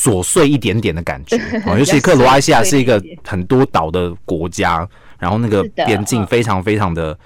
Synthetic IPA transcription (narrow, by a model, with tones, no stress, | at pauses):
swɔ˨˩swe˥˧ɪi˥˩t̪jɛ˧˥nt̪jɛ˨˩nd̪ə˦ka̰˨˩nt͡ɕɛ˧˦˨jo˧ʊt͡ɕʰi˧ʂɻ̩˧kʰɤ˥˩lwɔ˧˥a˥ɪɕi˥ja˨˩ʂɻ̩˥˩i˧˥ɡə˧xə˨˩nt̪wɔ˥t̪ɑ˨˩ʊd̪ə˦kwɔ˧˥t͡ɕja˥ | ɻa˧˥nxo˥˧na˥˩ɡə˩pjɛ˥nt͡ɕi˥˩ŋfe˥ɪʈ͡ʂʰɑ˧˥ŋfe˥ɪʈ͡ʂʰɑ˧˥ŋd̪ə˧